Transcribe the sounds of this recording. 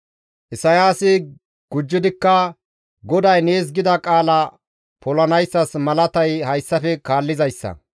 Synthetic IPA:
ʔɪsɐjaːsɪ | ɡ̥ʊd͡ʒːɪd̪ɪkːɐ | ɡɔd̪ɐjneːs̬ɡɪd̪ɐkʼaːlɐ | pɔlɐnɐjsːɐsmɐlɐt̪ɐjhɐjsːɐfɛkaːlːɪzɐjsːɐ̰

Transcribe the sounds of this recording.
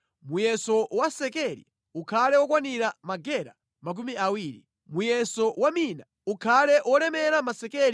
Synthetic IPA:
mujɛsɔwasɛkɛɾḭ | ukʰalɛwɔkwaniɾamaɡɛɾa̰ | mak̬umiawiːɾi | mujɛsɔwamina | ukʰalɛʔwɔlɛmɛɾamasɛkɛɾi

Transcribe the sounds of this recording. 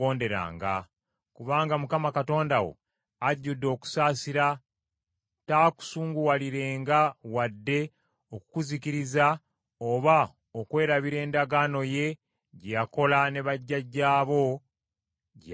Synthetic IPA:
oːnde̞ɾa̰ːŋɡa̰ | kuβaːŋɡamukamakato̞ːndawo̞̰ | aɟːudːo̞ːku̥saːsiɾa | taːku̥suːŋɡuwaliɾe̞ːŋɡawadːe̞ | okukuzikiɾiza | oβa | okwe̞ːɾaβiɾe̞ːndaɡaːno̞je̞ | ɟejako̞lane̞βaɟːaɟːaːβo̞ | ɟ

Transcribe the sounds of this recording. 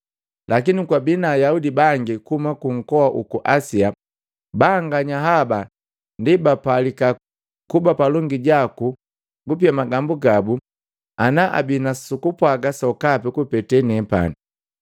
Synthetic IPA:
lʔakinikwabinaːjaudibaŋɡikuhumakuŋ̩kɔaʔukuʔasia | baːŋɡaɲaɦaba | ndibapalika | kubapalɔŋɡiɟaku | ɡup̬iamaɡambuɡabu | anaʔa̰binasukupwaɡasɔkapɛkupɛtɛnɛpa̰ni

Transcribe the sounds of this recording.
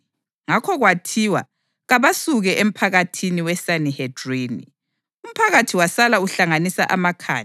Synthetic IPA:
ŋakʰɔɣwatʰiwa̰ | ɣaβasuɣɛʔem̩pʰaɣatʰiniwɛsanihɛdrinḭ | um̩pʰaɣatʰiwasalauɬaŋanisa̰ʔamakʰa̰ːj

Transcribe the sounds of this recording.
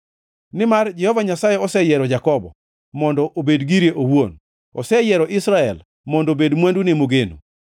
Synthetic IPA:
nɪmard͡ʒɛhɔvaɲasajɛɔsɛjɛɾɔd͡ʒakɔbɔ̰ | mɔndɔʔobedɡiɾjeʔowon | ɔsɛjɛɾɔʔɪsɾaɛl | mɔndobedmwandunimoɡenṵ

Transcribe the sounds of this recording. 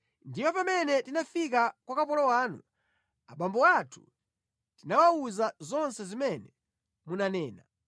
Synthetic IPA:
ndipɔpamɛnɛtinafik̬akwakapɔlɔwaːnṵ | aɓambɔwatʰu̥ | tinawauzazɔnsɛzimɛnɛ | munanɛːna

